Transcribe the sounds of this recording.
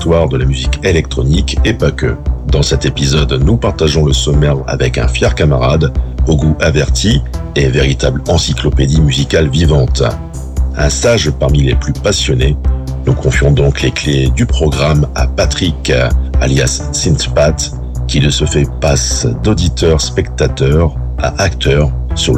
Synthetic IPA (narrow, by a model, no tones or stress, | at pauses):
t̪waʁd̪əlamyzikelɛk̚t̪χɔnikepakø̰d̪ɑ̃sɛt̪epizɔd̪nupaʁt̪aʒɔ̃ləsɔmɛʁa̰vɛkɛ̰̃fjɛʁkamaʁa̰d̪oɡuʔavɛʁt̪ʰi | eveʁit̪ablɑ̃siklɔped̪imyzikalvivɑ̃t̪ | ɛ̃st̪aʒpaʁmileplypasjɔnenukʰɔ̃fjɔ̃d̪ɔ̃klekled̪ypχɔɡʁama̰pat̪χika̰ljasːĩnt̪pat̪ | kʲiləsəfɛpasd̪od̪it̪œʁspɛkt̪at̪œʁ | a̰ʔakt̪œʁsy